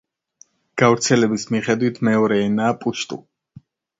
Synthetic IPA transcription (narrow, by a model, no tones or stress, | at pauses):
ɡ̥avɾt̪sʰɛlɛbismiχɛd̪wit̪ʰmɛɔɾɛːnaːpʼuʃt̪ʼṵ